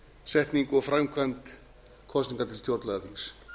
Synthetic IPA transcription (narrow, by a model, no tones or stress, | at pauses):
sɛht̪niŋkɔɣfɾamkʰvant̪ | kʰɔst̪niŋkat̪ʰɪlt̪jowɾt̪lɛɣafis